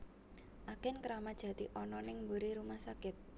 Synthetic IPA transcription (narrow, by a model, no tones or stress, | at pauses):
ʔakɛnkəɾamad̥ʒ̥ä̤t̪iʔɔnɔnɪŋmbuɾiɾumahsakɪt̪̚